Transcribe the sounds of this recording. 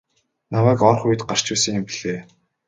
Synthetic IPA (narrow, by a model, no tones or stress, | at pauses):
namæːkɔrχujɘ̆t̪ɢar̥t͡ɕʊːsə̆ŋjʊmpiɮ̥eː